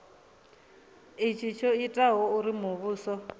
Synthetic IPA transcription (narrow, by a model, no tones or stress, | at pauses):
it͡ʃʰit͡ʃʰɔitʼaɦɔuɾimuβuːsɔ